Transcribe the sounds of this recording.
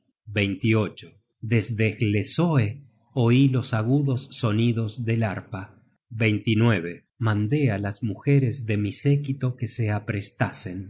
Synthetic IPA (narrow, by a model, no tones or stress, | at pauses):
bejnt̪io̞t͡ʃo | ðezðeɣlesoe | oilo̞saɣuðo̞sːo̞niðo̞zðelaɾpa | βe̞jnt̪inweβ̞e | mãnd̪e̞alazmuxeɾezðe̞misekit̪o̞kese̞apɾest̪ase̞n